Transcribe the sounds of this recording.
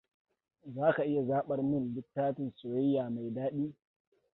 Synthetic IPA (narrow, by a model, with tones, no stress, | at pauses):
zaː˦ka˨ʔɪ˦ja˨zaː˦ɓɐ˦rmɪ˦nlɪ˦tːaː˦tɪ˨nsʊ˨ɽɛ˦jaː˨ma˨jdaː˦ɗiː˦